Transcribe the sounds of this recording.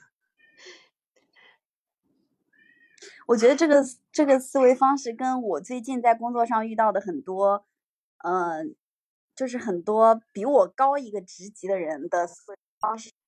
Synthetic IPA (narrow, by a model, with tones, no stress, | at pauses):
wɔ˨˩t͡ɕɥɛ˧˥d̪ə˧ʈ͡ʂɤ˥˩ɡə˩ | ʈ͡ʂɤ˥˩ɡə˩sɹ̩˥˩we˧˥ɪfɑ˥ŋʂɻ̩˥˩kə˥nwɔ˨˩t͡swe˥˧ɪt͡ɕi˥˧nt͡sa˥˩ɪkʊ˥ŋt͡swɔ˥˧ʂɑ˥˧ŋy˥˧t̪ɑ˥˩ʊd̪ə˩xə˨˩nt̪wɔ˥ | ə˥˧˩ | t͡ɕjo˥˧ʊʂ̬ɻ̩˥˩xə˨˩nt̪wɔ˥pi˧˥wɔ˨˩kɑ˥ʊi˧˥ɡə˧ʈ͡ʂɻ̩˧˥t͡ɕi˧˥d̪ə˧ɻə˧˥nd̪ə˧sɹ̩˥˩we˧˥ɪfɑ˥ŋʂɻ̩˥˩